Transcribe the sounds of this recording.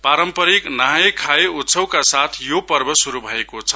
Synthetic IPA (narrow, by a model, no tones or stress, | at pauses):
paɾʌmpʌɾiknaɦekʰaeutsʰʌw̃kasat̪ʰjopʌɾbʌsuɾubʱʌekot͡sʰʌ